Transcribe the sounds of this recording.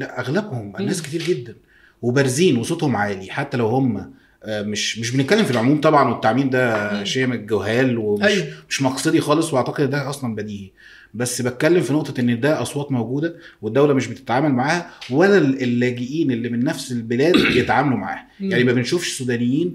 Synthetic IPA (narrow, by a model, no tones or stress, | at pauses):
læʔʔæɣlæbhomʔænːæːsket̪iːɾɡed̪ːæn | webæɾˤziːnwɑsˤot̪ˤhomʕaːliħat̪ːælæwhomːæ | meʃmeʃ̬benet̪̚kælːemfilʕomuːmt̪ˤɑbʕɑnwet̪ːaʕmiːnd̪æʃejːʔæmɡohæːlwemʃmeʃmɑqsˤed̪ixɑːlesˤweʔaʕt̪æqed̪enːd̪æʔɑsˤlɑnbæd̪iːhæ | bæsːbæt̪̚kælːemfinoʔt̪ˤɑʔenːd̪æʔɑsˤwɑːt̪ˤmæwɡuːd̪æwed̪ːæwlæmeʃbet̪e̥t̪ʕaːmælmaʕaːhæwælːælelːæːɡeʔiːnelːimenːæfselbelæːd̪bejet̪ʕaːmælumaʕa̰ːhæjaʕnimæbenʃuːfʃsːuːd̪æːnejːiːn